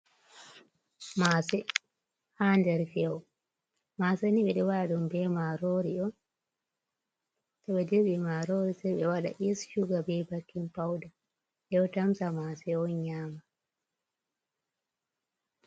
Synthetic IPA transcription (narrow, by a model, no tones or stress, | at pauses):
masɛ | handɛɾfɛɔ | maseniɓɛɗɛwaɗaɗɔmbɛmaɾoɾiɗɔn | sɛɓɛdeɓimaɾoɾisɛɓɛwaɗa̰ʔisʃuɡabɛbakːimpawda | ɗɛɔtamsamasɛɔnɲaːma